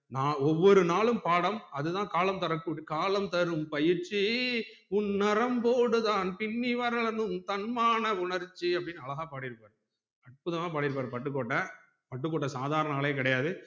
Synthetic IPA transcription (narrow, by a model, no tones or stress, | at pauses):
naːɔʋːɔɾɯnaːɭɯmpaːɽɐmɐðɯt̪ãːkaːlɐmt̪ɐɾɐkːuːɽikaːlɐmt̪ɐɾɯmpɐjɪɾt͡ʃːi | ʊnːɐɾɐmpoːɽɯðãːnpɪɳːiʋɐːɾɐɭɐnd̪ɯmt̪ɐnmaːnɐʊɳɐɾt͡ʃːiɐp̬ːɐɽɪnːɯɐlɐɣaːpaːɽɪɾɯpːaːɾɯ | ɐʈ̚pʊðɐmaːpaːɽɪɾɯpːaːɾpɐʈːɯk̬ːoːʈːɐ | pɐʈːɯk̬ːoːʈːɐsaːðaːɾɐɳɐnaːɭeːk̬ɪɽɐjaːðɯ